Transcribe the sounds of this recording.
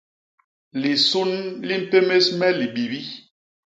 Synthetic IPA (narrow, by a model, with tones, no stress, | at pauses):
li˨su˦nli˦m̩˦˨pe˦me˦smɛ˦li˨ɓi˨bi˦